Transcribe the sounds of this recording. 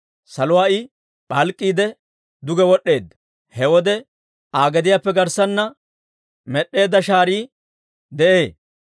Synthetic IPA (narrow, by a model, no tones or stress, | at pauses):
sɐlʊwaːʔɪ | ɓɐlkʼːiːd̪ɛ | d̪ʊɡɛwɔɗːe̞ːd̪ːɐ̥ | hɛwɔd̪ɛ | aːɡɛd̪ɪjaːpːɛɡɐɾsɐnːɐ | mɛɗːe̞ːd̪ːɐʃaːɾiː | d̪ɛʔe̞ː